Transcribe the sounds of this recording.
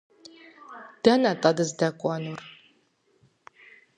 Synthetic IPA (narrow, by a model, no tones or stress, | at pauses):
d̥ɐnɐtʼɐdɨzdɐkʷʼɑnur